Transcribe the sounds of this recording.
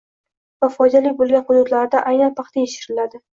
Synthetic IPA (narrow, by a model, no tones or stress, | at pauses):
vafɒjd̪alɪk̚ʲbolˠɡʲanqʊd̪ʊt̪laɾd̪aʔajnanpʰɑqt̪ʰajeʃɪɾɪlad̪ɪ